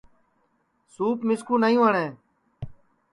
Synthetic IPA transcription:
suːpmɪskũːnajũːɦəɳẽː

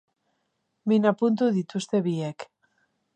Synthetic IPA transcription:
binapunt̪uðit̪ust̪eβiek

